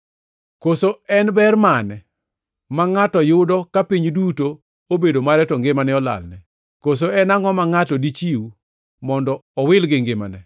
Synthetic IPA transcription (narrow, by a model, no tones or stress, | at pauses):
kosoɛnbɛrmanɛ | maŋatɔjʊdɔkapiɲduto | obedomaɾɛtɔŋɡɪmanɛɔla̰lnɛ | kos̬oɛnaŋɔmaŋatɔdit͡ʃiu | mɔndɔːwɪlɡɪŋɡɪma̰nɛ